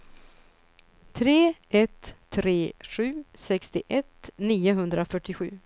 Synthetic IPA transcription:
t̪ʰɾeːʔɛt̪ʰːɾeːɧʉ̟ːsɛkst̪ɪʔɛt̪niːʊɦɵnd̪ɾafœʈːɪɧʉ̟̰ː

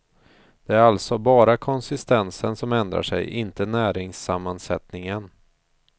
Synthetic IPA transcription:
d̪̥ɛæɾalt̪sɔbɑːɾakʰɔnsɪst̪ɛnsənsɔmɛnd̪ɾa̰ʂɛ̰jʔɪnt̪ənæːɾɪŋsamːansɛt̪nɪŋən

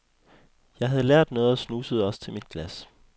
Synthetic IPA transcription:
jɑ̈ɪɦæð̞̩ˠleɐ̰d̥nɔ̽ːð̩ˠɐsnuːsəð̩ˠɒ̽st͡sʰe̝lmid̥̚ɡ̥læs

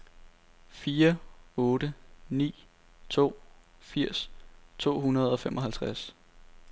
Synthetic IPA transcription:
fiːɐɔ̽ːɾ̥ənḭː | t͡sʰo̝̰ː | fiɐ̰st͡sʰo̝̰ːɦunɐð̞̩ˠɒ̽femʔɒ̽hælt͡sʰʁas

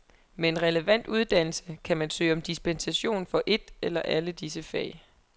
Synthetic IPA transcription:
mee̝nʁɛləʋæn̰d̥uð̞ˠd̥æn̰l̩səkʰæmænsø̰ːɪɒ̽md̥isb̥ensæɕo̝̰ːnfɒ̽ʔe̝d̥elɐʔæləd̥isəfɛ̰ɪ̰

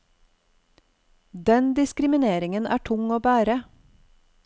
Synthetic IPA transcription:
d̪ɛnd̪ɪskɾɪmɪneːɾɪŋənæ̰ːʈʰʊŋoːbæːɾə

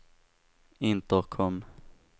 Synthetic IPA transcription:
ɪnt̪ɔkʰɔmː

